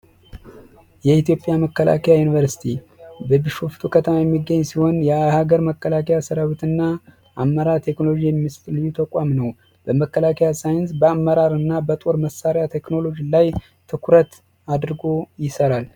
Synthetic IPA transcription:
jɛit̪ʰjo̞pʼjaməkːəla̰kʰəjajunivəɾsi̥t̪ʰi | bəbɨʃofi̥t̪ʰokʰət̪ʰəmajɛmːiɡːəɲːsiho̞njɛhaɡəɾməkːəlakʰəjasəɾawit̪ɨnːa | ʔamːəɾaɾt̪ʰeknolod͡ʒijɛmːist̪ʼlɨjːut̪ʰəkʷʼamnəw | b̥əməkːəlakʰəjasajɪnsbəamːəɾaɾɨnːabət̪ʼo̞ɾməsaɾjat̪ʰe̞kno̞lo̞d͡ʒilaj | t̪ʰɨkʷʰɾət̪ | ad̪ɾɨɡo̞jɪsəɾal

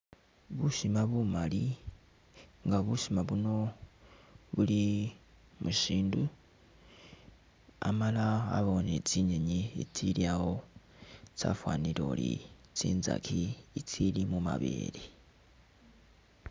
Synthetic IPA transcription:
βuʃimaβumali | ŋɡaβuʃimaβuno̞ | βuli | muʃiːndu | a̰mala̰ːβo̞net͡siɲeɲiet͡sʰiɾiaho | t͡sa̰fwaːniɾolḭt͡sḭːnza̰kʰiit͡sʰilimuma̰βḭɾi

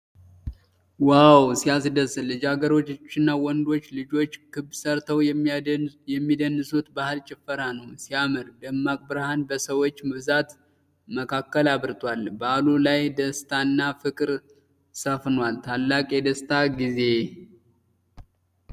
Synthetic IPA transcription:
wawsiasd̪əslɨd͡ʒaɡəɾo̞t͡ʃːɪnːawɔnd̪o̞t͡ʃːlɨd͡ʒo̞t͡ʃːkɨbsəɾt̪ʰəw | jɛmːid̪ənːɨsut̪bahɨlt͡ʃʼɪfːəɾanəwsijamɨɾd̪əmːakʼbɨɾhanbəsəwo̞t͡ʃːmɨβzat̪ | məkʰakːəlaβɾɨt̪ʼwalbəalulajd̪əst̪ʰanːafɨkʼɨɾ | səfnwalt̪ʰalːakʼjɛd̪əst̪ʰaɡize̞

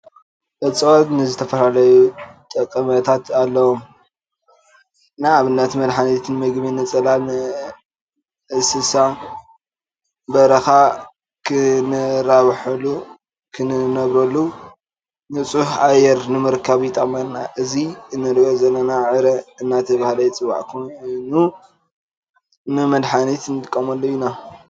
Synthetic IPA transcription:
bɐt͡sʼɨwot̪nɨzɨt̪ʰɐfɐlalɐjut̪ʼɐkʼːɐmɐt̪ʰat̪ʰalːɐwom | ɨnaːβɨnːat̪ʰmɐlħanit̪ʰnmɨɡminɨt͡sʼɐlalnɨ | ʔɨsɨsa | bɐɾɐxa | kʰɨnɨɾaβħɐlu | kʰɨnɨnɐβɾɐlːu | nɨt͡sʼuhʔajɛɾnɨmɨɾkʰːaβjit̪ʼɐmɐlnaʔɨziɨnːɨd̪ɡɐzɐlːɐnaʕɨɾɐɨnːat̪ʰɐβahlɐjt͡sʼɨβa̰ʕkʰonu | nɨmɐd̪ħanit̪ʰnt̪ʼɨkʼːɐmɐlːojina

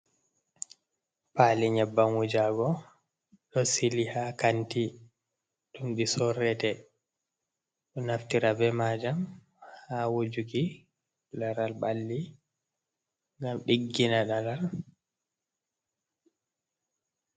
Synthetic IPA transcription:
paːliɲɛbːamwud͡ʒaɡɔ | ɗɔsilihakanti | ɗumɗisɔrɛtɛ | ɗɔnaftiɾabɛmaːd͡ʒam | hawod͡ʒuki | laɾalbalːi | ŋɡamɗiɡːinaɗalal

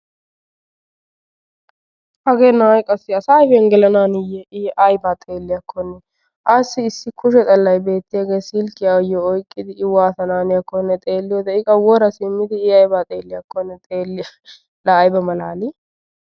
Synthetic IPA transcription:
hɐɡeːnajkʼɐsːɪɐsaːjfɛŋɡɛlɐnaːnɪjɛʔɪʔɐjbaːt̪ʼe̞ːlːɪjɐkʰːɔnːɛ | ʔasɪːsːɪkʰʊʃɛt̪ʼɐlːɐjbe̞ːt̪ːɪjaɡeːsɪlkɪjajɔɔjkʼːɪd̪ɪɪwaːt̪ɐnaːnɪjɐkːɔnːɛt̪ʼeːlːɪjɛt̪ɐɪkʼɐwɔɾɐsɪmːɪd̪ɪɪɐjbat̪ʼeːlːɪjɐkːɔnːɛt̪ʼeːlːɪ | lajbɐmɐlaːlɪ

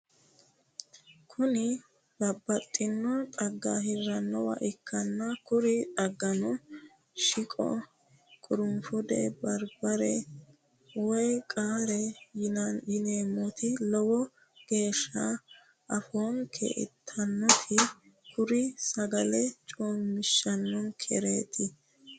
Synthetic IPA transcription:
kʰʊnɪ | lɐbːɐt̪ʼːɪnːɔt̪ʼɐɡːaɦɪɾːɐnːɔwɐ̰ʔɪkʰːɐnːɐkʊɾɪᶑ̪ɐɡːɐnʊ | ʃɪkʼɔ̰ | kʼʊɾʊmfʊd̪ɛ̰bɐɾbɐɾɛ | wɔjkʼaːɾɛnjɪneːmɔt̪ʰɪlɔwɔ | ɡ̥e̞ːʃːɐ | ɐfoːnkʰḛʔɪ̰t̪ʰːɐnːɔt̪ʰɪ | kʰʊɾɪsɐɡɐlɛt͡ʃʼoːmmːɪʃːɐnːɔnkʰɛɾeːt̪ʰɪ

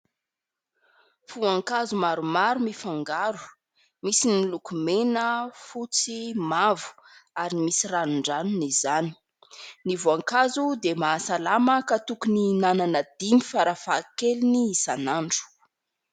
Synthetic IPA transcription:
fuaŋkazumaɾumaɾumifaŋɡaɾu̥ | misinilukumenəfut͡simavu̥ | aɾimisiranuɳɖ͡ʐanunizani̥ | nivuaŋkazud̪emasalaməkat̪ukuninananəd̪imifaɾafakeliniisanaɳɖ͡ʐu̥

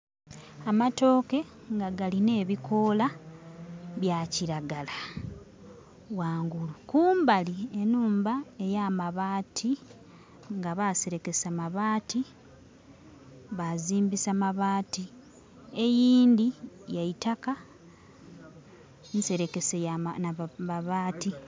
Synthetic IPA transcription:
amato̞ːke̞ | ŋɡaɡaline̞ːβikʰo̞la | βjaciɾaɡala | waːŋɡulukuːmbalie̞nuːmbae̞jaːmaβaːtʰi | ŋɡaβase̞ɾe̞ke̞samaβaːti | βaziːmbisamaβaːti | e̞jiːnd̪ijaitaka | nse̞ɾe̞ke̞sejanaβaβaːti

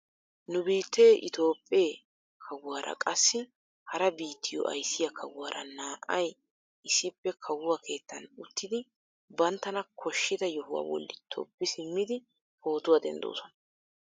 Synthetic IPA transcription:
nʊbiːt̪ːe̞ːʔɪt̪o̞ːpʼːeː | kʰɐwwaːɾɐ̰kʼɐsːɪ | hɐɾɐbiːt̪ʰːɪjɔ̰ʔɐ̰jsɪjɐkʰɐwwaːɾɐ̰naːʔɐj | ʔɪsɪpːɛkʰɐwʊwakʰe̞ːt̪ːɐnʊt̪ːɪd̪ɪ | bɐnt̪ːɐnɐkʰɔʃːɪd̪ɐjɔhʊwa̰ːwɔ̰lːɪt̪ʰɔ̰pːɪsɪmːɪd̪ɪ | ho̞ːt̪ʊwaːd̪ɛ̰nd̪o̞̰ːsɔnɐ̥

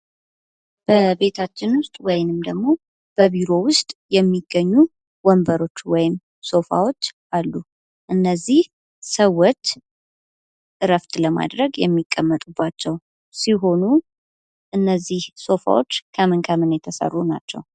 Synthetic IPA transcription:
b̥əbe̞t̪ʰat͡ʃːɪnwʊst̪ʼwɔjnɨmd̪əɡmo̞ | b̥əβiɾo̞wʊst̪ʼjɛmːiɡːəɲːu | wɔmbəɾo̞t͡ʃːwɔjɪm | so̞fa̰wo̞t͡ʃːʔalːu | ʔɨnːəzːih | səwːɔt͡ʃː | ɨɾəft̪ʼləma̰d̪ɾəɡjɛmːikʼːəmːət̪ʼubːat͡ʃːɛw | siɦo̞nu | ʔɨnːəzːihso̞fa̰wo̰t͡ʃːkʰəmɨnkʰəmɨnjɛt̪ʰəsə̰rːuna̰t͡ʃːɛ̰w

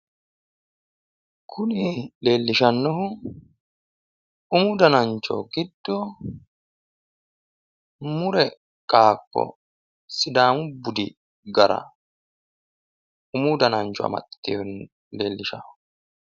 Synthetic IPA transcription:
kʰʊnile̞ːlːɪʃɐnːɔɦʊ | ʊmʊd̪ɐnɐnt͡ʃːɔ̰ɡɪd̪ːɔ | mʊɾɛ | kʼaːkʼːɔ̰ | sɪd̪aːmʊbʊd̪ɪ | ɡɐɾɐ̰ | ʊmʊd̪ɐnɐnt͡ʃɔɐ̰mɐ̰t̪ːihʊn | leːlːɪʃɐ̰hʊ

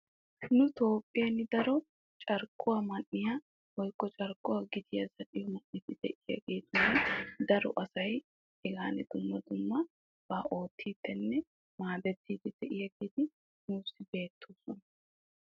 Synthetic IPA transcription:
nʊt̪o̞ːpʼːɪjɐnːɪd̪ɐɾɔ | t͡ʃʼɐɾkːʊwamɐnːɪja | wɔjkːɔt͡ʃʼɐɾkʼːʊwaːɡɪd̪ɪjɐzɐᶑɪjɔmɐnːɪt̪ɪd̪ɛʔɪjɐ̰ɡeːt̪ʊnɐd̪ɐɾɔ̰ʔɐsɐj | ɛɡaːnɛd̪ʊmːɐd̪ʊmːɐ | b̥aːʔo̞ːt̪ʰːiːt̪ːɛnːɛ | maːb̪ɛt̪ːiːt̪ːɪd̪̥ɛʔɪjɐɡeːt̪ɪ | nuːsːɪbe̞ːt̪ʰːoːsɔnɐ

